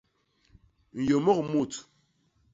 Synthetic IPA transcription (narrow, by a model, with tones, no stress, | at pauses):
n̩˨jo˨mo˦kmu˦˨t